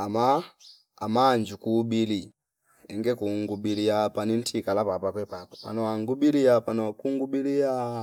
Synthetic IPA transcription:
ama | a̰maːnd͡ʒukuɓili | ɛŋɡɛkuŋɡuɓilijapanin̩tʰikalapapakwɛpakɔ̥pa̰nɔwaŋɡuɓilijapanɔwakuŋɡuɓilia

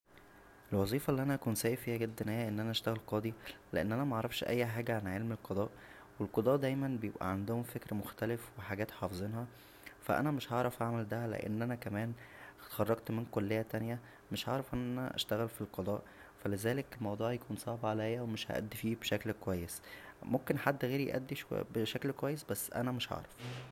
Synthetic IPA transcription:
ʔelwɑzˤiːfɑlːiʔænæʔækuːnsæːjifiːhæɡed̪ːænhejæʔenːʔænæʔæʃt̪æɣælqɑːd̪ˤileʔḛnːʔænæmæʔɑʕɾˤɑfʃʔæ̰jːħaːɡæʕanʕelmelqɑd̪ˤɑːʔ | welqɑd̪ˤɑːʔd̪æjmænbejebʔæ̰ʕand̪ohomfekɾmoxt̪ælefweħaɡæːt̪ħɑːfezˤenhɑ | fæ̰ʔæ̰næmeʃhʕɑʕɾˤɑfʔaʕmæld̪æhælḛʔḛnːʔænækæmæːnt̪xɑrˤːɑɡ̚t̪menkolːehːæt̪ænjæ | meʃʕɑʕɾˤɑfʔenːæænæ̰ʔæ̰ʃt̪æɣælfilqɑd̪ˤɑ̰ːʔ | fælezæːlekelmɑwd̪ˤuːʕjækuːnsˤɑʕbʕalæjːæwemeʃhæ̰ʔæ̰d̪ːifiːbeʃæklkowæjːesmomkenħad̪ːɣeːɾjḛʔæ̰d̪ːiʃbeʃæklkowæjːesbæsːʔæ̰næmeʃʕɑ̰ʕɾˤɑf

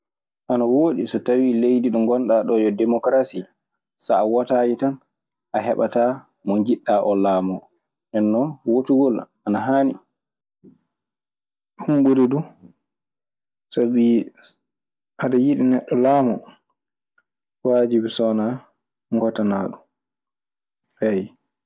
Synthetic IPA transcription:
ʔanawoːɗisɔtawilejdiɗɔŋɡɔnɗaɗɔjɔdɛmɔkɾasi | saːwatajitan | ʔaɦɛ̰ɓa̰ta | mɔnd͡ʒiɗːaʔɔlaːmɔ | nɛnːɔwotuɡɔlʔanaɦaːni | humbuɾidu | sabi | ʔadajiɗinɛɗːɔlaːmɔ | wad͡ʒibisɔna | ŋɡɔtanaɗu | paj

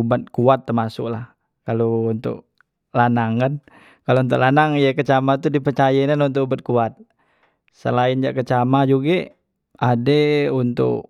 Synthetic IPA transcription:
ubat̪̚kuat̪ːərmasʊ̰k̚lah | kalount̪ʊ̰k | lanaŋkan | kalount̪ʊ̰klanaŋjakət͡ʃamat̪udipərt͡ʃajainanunt̪̬ʊkubat̪̚kuat̪̚ | səlaɪnd͡ʒakət͡ʃamad͡ʒuɡe | adeunt̪ʊ̰k

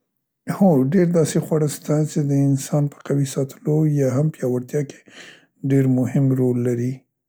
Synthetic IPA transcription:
hoɖeɾd̪ɑsexwaɽəst̪at͡ʃed̪əɪnsɑnpə̥qawisɑt̪əlojɑɦampjɑwaɾt̪jɑke̥ | ɖeɾmʊhɪmɾolːaɾi

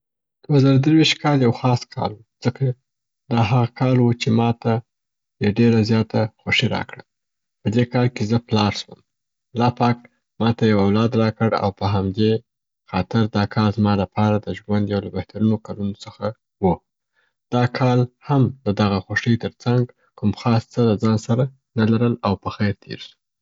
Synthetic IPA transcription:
d̪̥wazɑɾad̪əɾwiʃt̪̚kʰɑljawxɑskʰɑ̰lwuz̥əkʰa | d̪ɑɦaɣakʰɑlwut͡ʃemɑt̪a | jaɖeɾazjɑt̪axaʂiɾɑ̰kɽa | pəd̪ekɑlkezəplɑɾʃwəm | lɑpɑk̚ | mɑt̪ajawawlɑd̪ɾɑkəɽa̰wpəɦamd̪e | xɑt̪ɪɾd̪ɑkʰɑlzmɑlapɑɾad̪əʒwand̪jawlabaht̪aɾunokalunot͡səxa | wu | d̪̥ɑkʰɑlhamd̪əd̪aɣaxaʂəjt̪əɾt͡saŋɡ | kʊmxɑst͡səlazɑnsaɾa | nalaɾəlawpəxajɾt̪ʰḛɾsu̥

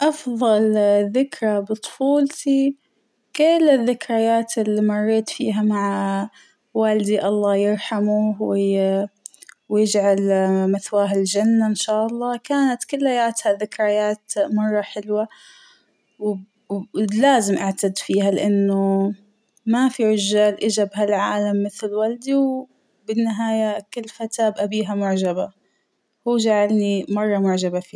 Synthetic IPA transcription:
ʔɑfðˤɑlðɪkɾˤabɨt̪ˤfuːlt̪i | kɪlːɪðːɪkɾajaːt̪ɪlːimɑrˤːeːt̪fiːɦamaʕa | waːld̪iʔɑlˤːɑːjɪɾˤħamuwɪ | wjɪd͡ʒʕalmaθwaːɦɪld͡ʒanːaɪnʃaːʔɑlˤːɑːkaːnat̪kʊlːajaːt̪haðɪkɾˤajaːt̪mɑrˤːɑħɪlwa | w | laːzɪmʔaʕt̪ad̪fiːɦalɪʔanːʊ | mafiʕɪʒːaːlʔɪd͡ʒabɦalʕaːlamːɪθlwald̪iw | bɪnːɪɦaːjakɪlːfat̪aːbʔabiːɦamʊʕd͡ʒaba | huːd͡ʒaʕalnimɑrˤːɑmʊʕd͡ʒabafiː

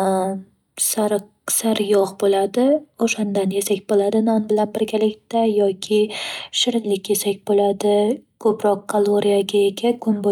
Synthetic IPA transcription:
saɾ | saɾjɒʁbolad̪ɪoʃand̪anjesakʲbolad̪ɪnanbɪlanbɪɾɡʲalɪkʲt̪ajɒkʲʰɪʃɪɾlɪkʲje̞sakʲbolad̪ɪkʰɵpɾɒqkːʰalˠoɾijaɡʲaekʲakʰʊnbo

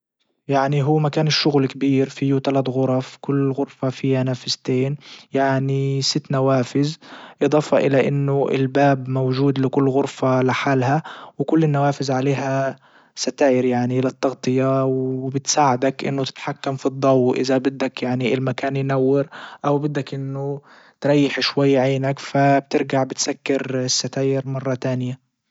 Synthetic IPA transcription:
jaʕniɦuːmakaːnɪʃːʊɣlkabiːɾfiːut̪alat̪ɣʊɾˤɑfkʊlːɣʊɾfafiːhanaːfɪzt̪eːnjaʕnisɪt̪ːnawaːfɪzʔɨd̪ˤɑːfɑʔɪlaʔɪnːʊʔɪ̰lbaːbmowʒuːd̪lɪkʊlːɣʊɾfalɪħaːlhawkʊlːɪnːawaːfɪzʕaleːɦa | sat̪aːjɪɾjaʕnilɪt̪ːɑɣt̪ˤɨjawbɪt̪saːʕad̪akʔɪ̰nːʊt̪ɪ̥t̪ħakːamfid̪ˤːɑwːʔɪðabɪd̪ːakjaʕniɪlmakaːnjnawːɑɾʔawbɪd̪ːakʔɪnːʊ | t̪ɾˤɑjːɪħʃwajːʕeːnakfab̚t̪ɪɾɡaʕbɪt̪sakːɪɾɪsːat̪aːjɪɾmɑrˤːɑt̪aːnɪja

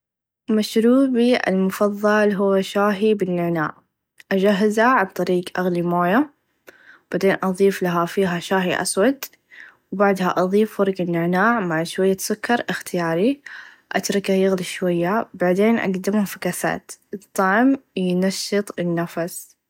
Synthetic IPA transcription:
maʃɾuːbiʔɪ̰lmʊfɑðˤːɑlɦʊwːaʃaːɦibɪnːɪʕna̰ːʕ | ʔad͡ʒaɦːazaʕab̚t̪ˤɑɾiːɡʔaɣlimoːja | b̥aʕd̪eːnʔɑðˤiːflaɦafiːɦaʃaːɦiʔa̰swad̪ | wbaʕd̪haʔɑðˤiːffʊɾˤɡɪnːɪʕnaːʕmaʕʃwajːasʊkːɑɾˤʔɪxt̪ɪjaːɾi | ʔa̰t̪ɾˤɪkajɪɣliʃwajːabaʕd̪eːnʔa̰ɡd̪ɪmafakaθa̰ːt̪ɨt̪ˤːɑʕmjnaʃːɨt̪ˤɪnːafas

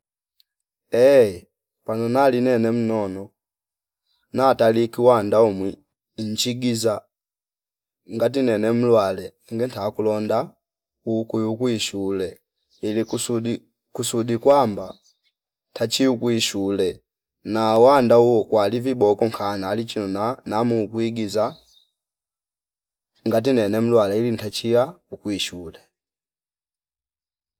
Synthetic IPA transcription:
ɛ | panɔnalinɛnɛm̩nɔnɔ | natalikiwandaɔmwi | n̩t͡ʃiɡiza | ŋɡat̬inɛnɛm̩lwalɛ | ŋɡɛntakulɔnda | ukujukwiʃulɛ | ilisudi | kusudikwamba | ntat͡ʃiukuiʃulɛ | nawandauɔkwalivibɔkɔŋkʰanaːlit͡ʃinunanamukuiɡiza | ŋɡat̬inɛnɛm̩lwalɛilintat͡ʃiaukuiʃulɛ

